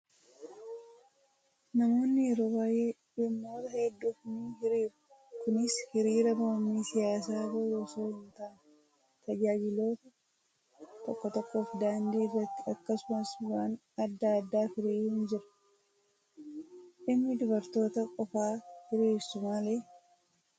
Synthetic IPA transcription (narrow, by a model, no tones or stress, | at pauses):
nɐmo̞ːnːɪjɛɾo̞ːbaːje̞ː | ɪmːoːt̪ɐhɛd̪ːuːfnihɪɾiːɾʊ | kʊnɪshɪɾiːɾɐmoɾmiːsɪjaːsaːrɐjoːsoːhɪnt̪aːn | t̪ɐd͡ʒaːd͡ʒɪlo̞ːt̪ɐ | t̪ɔkːɔt̪ɔkːo̞ːfd̪aːnd̪iːrːɐt̪ːɪɐkːɐsʊmɐswaːn | ɐd̪ːaːd̪ːaːfɪɾiːjɪnd͡ʒɪɾɐ̥ | ʔɪmːɪd̪ʊbɐɾt̪o̞ːt̪ɐkʼɔfaːhɪɾiːɾsʊmaleː